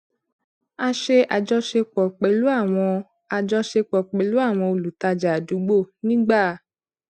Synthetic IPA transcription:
a˧ʃe˧ʔa˨d͡ʒɔ˧ʃe˧k͡pɔ˨k͡pe˨lu˨˦a˦˨w̃ɔ̃˧ | a˨d͡ʒɔ˧ʃe˧k͡pɔ˨k͡pe˨lu˨˦a˦˨w̃ɔ̃˧o˧˨lu˨ta˧d͡ʒa˨du˨˦ɡ͡bo˦˨nĩ˦ɡ͡baː˦˨

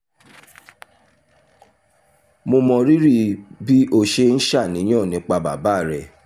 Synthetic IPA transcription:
mo˧mɔ̃˧ɾi˦ɾi˦˨bi˦ʔo˧ʃe˦n̩˦ʃa˦˨nĩ˨˦j̃ɔ̃˦˨nĩ˨˧˦k͡pa˧ba̰˨ba˨˦˨ɾɛ˨

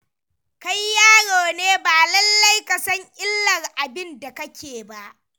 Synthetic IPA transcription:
ka˦jːaː˦ɽoː˨neː˦baː˨lɐ˦lːɐ˦jka˨sɐ˦ɲʔʲɪ˦lːɐ˨rʔa˨bɪ˦nda˨kɐ˦kʲeː˨ba˦ʔ

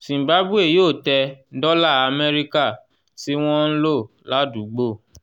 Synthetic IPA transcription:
sĩ˨m̩˨ba˨˦bu˦e˦˨joː˦˨tɛ˧˦dɔ˦la˦˨a˧me˦ɾi˦ka˦˨ | si˦w̃ɔ̃˦n̩˦lo˦˨ | la˨˦du˨˦ɡ͡bo˦˨

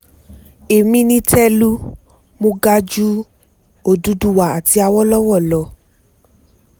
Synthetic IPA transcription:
e˨mĩ˧˦nĩ˧tʰɛ˦lu˦ | mõ˧˦ɡa˧d͡ʒu˦ | o˦˨du˧˦du˦wa˨a˨ti˧a˧wɔ˦lɔ˦wɔ˦˨lɔ˨˦

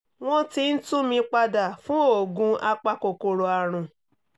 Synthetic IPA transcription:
w̃ɔ̃˦ti˧n̩˦tũ˦mĩ˧k͡pa˧da˨fũ˦o˦˨ɡũ˧a˧k͡pa˧ko˨ko˨ɾo˨a˨ɾ̃ũ˨

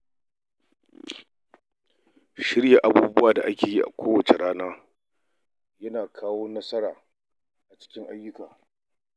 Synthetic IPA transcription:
ʃɪ˦ɽja˨ʔa˨buː˦bʊ˦waː˨da˨ʔa˦kʲeː˨ji˦ʔa̰˨kʷoː˦wɐ˨t͡ʃe˨ɽaː˦naː˦ | jɐ˦naː˨kʰaː˦woː˦nɐ˦sɐ˦ɽaː˨ | ʔa˨t͡ʃɪ̥˦kʲɪ˦ŋʔa˦jːʊ˦kaː˨

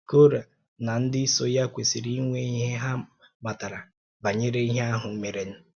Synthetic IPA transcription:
ko˦ɾa˨ | na˨n̩˦dɪ˦i˦so˦ja˦kʷe˨si˨ɾi˦i˦ŋʷe˦i˦ɦe˦ɦa˦ | ma˨ta˨ɾa˨ | ba˨ɲe˦ɾe˦i˦ɦe˦a˦ɦʊ˨m̩˦me˨ɾe˨n̩˦

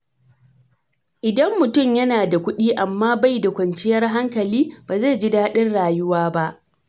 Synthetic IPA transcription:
ʔɪ˨dɐ˦mːʊ˨tʊ˦˨mjɐ˦naː˨da˨kʷʊ˦ɗiː˦ʔa˨mːaː˦ba˦jda˨kʷɐ˨nt͡ʃɪ˦jɐ˦rɦa˦ŋkɐ˨liː˦baː˨za˦˨d͡ʒɪ˦daː˦ɗɪ˦nɽaː˨jʊ˦waː˦ba˦ʔ

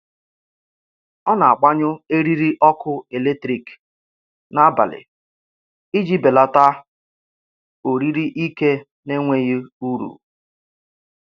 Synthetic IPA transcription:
ɔ˦na˨a˨k͡pa˦ɲʊ˦e˦ɾi˦ɾi˦ʔɔ˦kʊ˦e˨le˦tɾi˨k | na˦ba̰˨lɪ̰˨ | i˦d͡ʒi˦be˨la˨ta˦ | o˨ɾi˦ɾi˦ʔi˦ke˦ | ne˦ŋʷe˦ji˦u˦ɾṵ˨

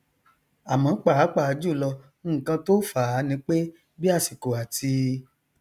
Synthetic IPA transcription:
a˨mã˨˦k͡pa˦˨a˨˦k͡pa˦˨a˨˧˦d͡ʒu˦˨lɔ̃˧˦˨ | kã˧to˦fa˨˦˨nĩ˧˦k͡pe˦ | bi˦a˦˨si˨ko˨a˨ti˧

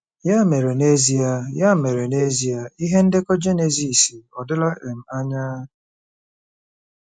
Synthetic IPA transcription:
ja˦˨me˨ɾe˨ne˦zi˦a˨ja˦˨me˨ɾe˨ne˦zi˨˦a˨i˦ɦe˦n̩˦dɪ˦kɔ˦d͡ʒe˦ne˨zi˨si˨ɔ˨dɪ˦la˦ʔe˨m̩˨a˦ɲaː˦

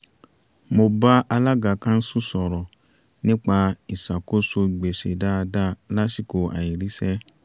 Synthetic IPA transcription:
mo˨ba˦ʔa˧la˦ɡa˨kã˦n̩˦su˦sɔ˨ɾɔ˨ | nĩ˦k͡pa˧i˨sa˨ko˦so˧˨ɡ͡be˨sḛ˨da˦˧da˦la˦si˦˨ko˨a̰˨i˨ɾi˦sɛ˦

